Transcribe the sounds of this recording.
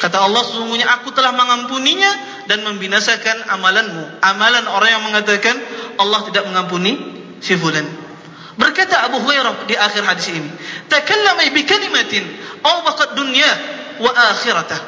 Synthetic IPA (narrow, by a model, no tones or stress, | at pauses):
kat̪aɑlːɑhsəsuŋɡuɲaʔakut̪əlahməŋampuniɲa | danməmbinasakanamalanmuamalanoɾaŋjaŋməŋat̪akanʔɑlːɑht̪idak̚məŋamp̬uni | sifulan | bərkat̪aːbuɦuajɾadiʔaxɪrɦadɪsinit̪akalːamabikalimat̪ɪnʔawbaqadunia | waʔaːxɪɾat̪ah